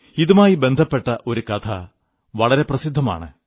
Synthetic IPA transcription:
iðumaːjibe̞nd̪ʱɐpːe̞ʈːɐʔo̞ɾukɐt̪ʰɐ̰ | ʋɐɭɐɾe̞prɐsid̪ʱːɐma̰ːɳɨ

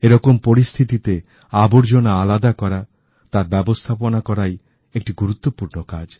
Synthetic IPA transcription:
eɾɔkompoɾist̪ʰit̪it̪e | aboɾd͡ʑonaalad̪akɔɾa | t̪aɾbɛbost̪ʰaponakɔɾaj | ek̚ʈiɡuɾut̪ːopuɾnokad͡ʑ

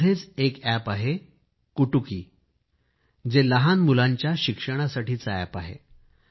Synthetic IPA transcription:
et͡sekæpaɦe | kuʈukiː | d͡zeləɦanmulaɲt͡ɕjaɕikʂəɽ̃asaʈiːt͡səæ̰paɦḛ

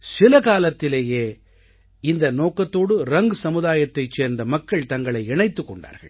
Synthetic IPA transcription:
sɪlɐkaːlɐt̪ːɪleːjeː | ɪnd̪ɐnoːkːɐt̪ːoːɽɯɾɐŋɡɯsɐmɯðaːjɐt̪ːɐɪt͡ʃeːɾnd̪ɐmɐkːɐɭt̪ɐŋɡɐɭɐɪɛɳɐɪt̪ːɯkːɔɳɖa̰ːɾɣɐ̰ɭ

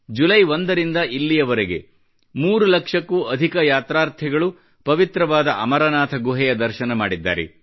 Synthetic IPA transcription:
d͡ʒulɐjʋo̞nd̪ɐɾind̪ɐʔilːijɐʋɐɾeɡe̞̰ | muːɾulɐkʂɐkːuɐd̪ʱikɐjaːt̪ɾaːɾt̪ʰiɡɐɭu | pɐʋit̪ɾɐʋaːd̪ɐʔɐmɐɾɐnaːt̪ʰɐɡuɦɛjɐd̪ɐɾʃɐnɐmaːɽid̪ːa̰ːɾḛ

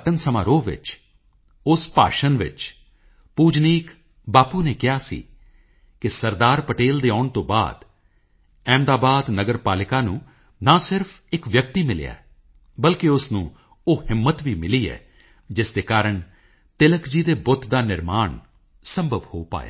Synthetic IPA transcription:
ʈənsəma̰ːɾoːʋɪ̰t͡ʃ | ʊspa̰ːʃənʋɪ̰t͡ʃ | puːd͡ʒniːk | baːpuːneːkɪaːsḭː | kɪsəɾd̪aːɾpəʈeːld̪eːaːʊɳt̪õːba̰ːd̪ | ɛ̃ːmd̪aːbaːd̪nəɡəɾpaːlɪkaːnũː | nãːsɪɾfʰɪkʋjək̚t̪iːmɪlɪ̰ja̰ː | bəlkeʊsnũː | oːhɪmːət̪ʋiːmɪliːɛ̰ː | d͡ʒɪsd̪eːkaːɾəɳ | t̪ɪləkd͡ʒiːd̪eːbʊt̪ʰd̪aːnɪɾmaːɳ | səmbʱəʋhoːpa̰ːja̰ː

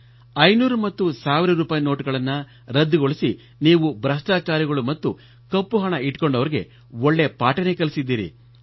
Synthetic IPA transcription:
ɐjnuːɾumɐt̪ːusaːʋiɾɐɾuːpaːjno̞ːʈuɡɐɭɐnːɐ | ɾɐd̪ːiɡoɭisi | niːʋubɾɐʂʈaːt͡ʃaːɾiɡɐɭumɐt̪ːu | kɐpːuɦɐɳɐiʈko̞ɳɖɐʋɐɾiɡe̞̰ | oɭːe̞paːʈɐnekɐlisid̪ːiːɾḭ

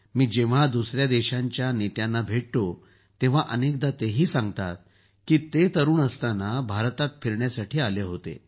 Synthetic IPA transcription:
miːd͡ʑeʋ̤ad̪usɾjad̪eɕãɲt͡ɕjanet̪janːabʱeʈt̪o | t̪ẽʋ̤aʔənek̚d̪at̪eɦiːsãŋɡt̪at̪̚ | kiːt̪et̪əɾuːɳəst̪anabʱaɾt̪at̪fiɾɳjasaʈʰiːaleɦot̪ḛ

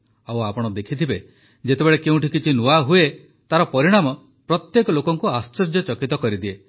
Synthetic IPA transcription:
awapɔɽ̃ɔd̪ekʰit̪ʰibe | d͡ʒet̪ebeɭekeũʈikit͡ʃʰinuaɦue | t̪aɾɔpɔɾiɽ̃amɔ | pɾɔt̪jekɔlokɔŋkuast͡ʃɔɾd͡ʒɔt͡ʃɔkit̪ɔkɔɾid̪ie

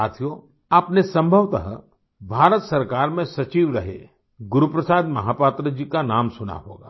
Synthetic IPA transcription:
aːt̪ʰijo | apnesɐ̃mbʱəʋt̪ə̰ɦ | bʱaːɾət̪sɐɾkaːɾmẽsɐt͡ʃiːʋɾɐɦḛ | ɡʊɾupɾəsaːd̪mɐ̰ɦaːpaːt̪ɾəd͡ʒikanaːmsʊna̰ɦo̰ːɡa̰ː

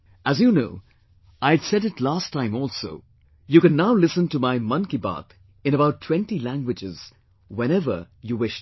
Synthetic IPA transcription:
æzjunoʊ | aɪdsɛɾɨtlastʰːãɪ̃mɔlˠsoʊ | juːkɨ̃nːaʊlɪsə̃ntumaɪmʌ̃nkiba̰ːt̪ | ɨ̃ñəbaʊtʰːw̥ɛ̃ntilæ̃ŋɡwɨd͡ʒɪz̥ | wɛ̃ñɛvə̰˞ | juwɪʃ

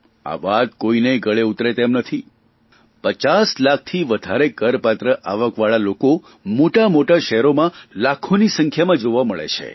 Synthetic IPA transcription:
a̰ʋat̪̚koineɡəɭeut̪ɾet̪emnət̪ʰi | pət͡ʃaslak̚t̪ʰiʋəd̪ʱaɾekəɾpat̪ɾəʔaʋəkʋaɭaloko | moʈamoʈaʃɛɦɾomãlakʰonisə̃ŋkʰjamãd͡ʒoʋaməɭḛt͡ʃʰḛ

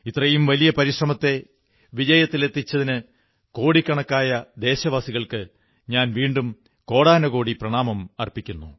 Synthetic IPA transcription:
it̪ːrɐjumʋɐlijɐpɐɾiʂrɐmɐt̪ːe̞ | ʋid͡ʑɐjɐt̪ːile̞t̪ːit͡ɕːɐðinɨ | ko̞ːɽikʲːɐɳɐkːaːjɐd̪e̞ːɕɐʋaːsiɣɐɭkɨ | ɲaːnʋiːɳɖum | ko̞ːɽaːnɐɣo̞ːɽiprɐɳaːmɐmɐrpikʲːunːu

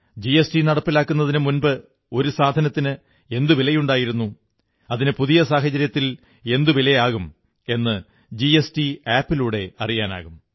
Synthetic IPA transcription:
d͡ʑiesʈinɐɽɐpːilaːkːunːɐðinɨmunbɨ | o̞ɾusaːd̪ʱɐnɐt̪ːinɨ | e̞nd̪uʋilɐjuɳɖaːjiɾunːu | ɐðinɨpuðijɐsaːɦɐd͡ʑɐɾjɐt̪ːil | e̞nd̪uʋilɐjaːɣum | e̞nːɨ | d͡ʑiesʈiaːpːiluːɽe̞ɐrijaːna̰ːɣum

